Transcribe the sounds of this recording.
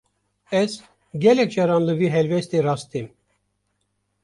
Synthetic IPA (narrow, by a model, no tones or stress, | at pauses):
ɛz | ɡʲɛlɛk̚t͡ʃɑɾɑnlɨviːɦɛlvɛst̪irɑst̪im